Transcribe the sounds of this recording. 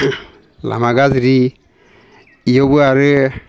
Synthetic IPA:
la̰maɡazɾi | ijɔbɯaɹɯ

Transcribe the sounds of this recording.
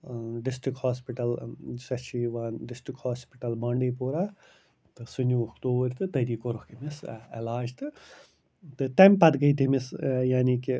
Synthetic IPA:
ɖisʈɾikhaːspiʈɐlsɐt͡ʃʰiʋaːɖisʈɾikhaːspiʈɐlbɐɳɖiːpuːɾa | t̪ɨsunuɐkt̪oːbɾʲt̪ɨt̪ɐɾiːkoɾokimisḛlaːd͡ʒt̪ɨ | t̪ɨt̪emʲpɐd̪ɡɐjt̪imisjaːniːki

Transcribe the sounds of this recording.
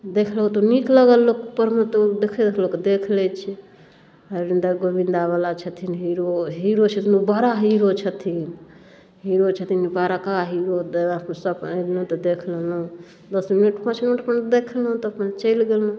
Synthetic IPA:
d̪ekʰlɦũt̪ɔnikləɡəlːokpəɾmet̪d̪ekʰed̪loked̪ekʰlɛt͡ʃʰi | əɾind̪aɡobind̪aβalat͡ʃʰət̪ʰinɦiɾoɦiɾot͡ʃʰət̪ʰinubaɾaɦiɾot͡ʃʰət̪ʰin | ɦiɾot͡ʃʰət̪ʰinbaɾakaɦiɾod̪əpsəbəlɦũt̪ɔd̪ekʰllɦũ | d̪əsminəʈpãt͡ʃminuʈəpənd̪ekʰlɦũt̪ɔəpnet͡ʃəjlɡelũ

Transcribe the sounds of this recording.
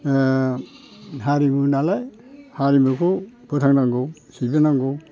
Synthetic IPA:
ɦaɾimunalaj | haɾimukʰupʰɔtʰaŋnaŋɡɔwsibenaŋɡɔw

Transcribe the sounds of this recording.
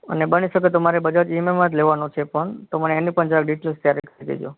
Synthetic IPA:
ə̰nebəniʃəket̪̬omaɾebəd͡ʒad͡ʒimemat̪leʋanot͡ʃʰepəɳt̪oməneːnipəɳd͡ʒakɖiʈelst̪jaɾekəɾid̪ḛd͡ʒo̰

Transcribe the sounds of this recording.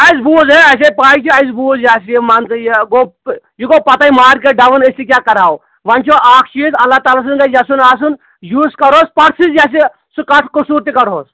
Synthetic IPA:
ɐjzbuːzeɐs̬epaːit͡ʃʰiɐjzbuːzjaːsimant̪ɐjɡo | jiɡopɐt̪aːimaːɾkeɖɐʋənɐst̪ikʲjaːkɐɾaːw | ʋɐnt͡ʃʰoaːk̚ʰt͡ʃiːzɐlːat̪aːlas̬unɡɐd͡ʒasunaːsun | juːskɐɾoːspɐɽsizd͡ʒaːs̬i | sukɐʈʰkusuɾt̪ikɐɾɦoːs

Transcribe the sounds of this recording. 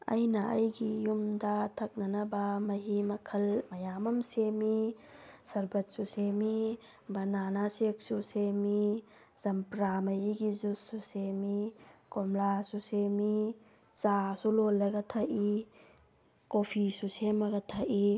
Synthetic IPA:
ɐ̰jnɐɐ̰jɡijumdat̪ʰɐk̚nɐnɐbamɐɦimɐkʰɐlmɐjamɐmsemisɐɾbɐt̚susemi | bɐnanasek̚susemi | z̥ɐmpɾamɐɦiɡizususemikɔmlasusemi | t͡ʃasulolːɐɡɐt̪ʰɐʔi | kopʰisusemɐɡɐtʰɐʔi

